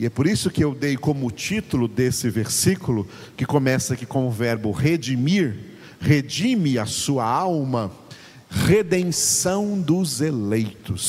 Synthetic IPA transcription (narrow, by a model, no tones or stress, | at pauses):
iɛpoɾisʊkɪewd̪ejkõmʊːt͡ʃit̪ʊlʊd̪esɪveɾsikulʊ | kɪkomɛsɐkɪkõmʊvɛɾbʊʁed͡ʒimiɾ | hed͡ʒĩmɪɐsuɐawmɐ | ʁed̪ẽŋsɐ̃w̃d̪ʊzelejt̪ʊs